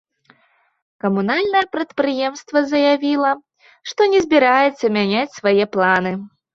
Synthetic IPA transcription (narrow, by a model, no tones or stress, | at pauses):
kɐmunalʲnɐjɐpɾɐt̪pɾɨjɛmst̪vɐzɐjavʲilˠɐ | ʂt̪ɔnʲɛzʲbʲiɾajɛt̪sːɐmʲanʲat͡sʲsvajɛplˠanɨ